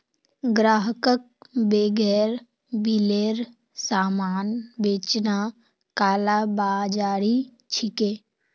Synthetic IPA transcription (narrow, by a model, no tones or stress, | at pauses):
ɡɾaːɦəkək̚ | beːɡɛːɾ | bileːɾ | saːmaːnbeːt͡ʃna | kaːlabaːd͡ʒaːɾi | t͡ʃʰɪkeː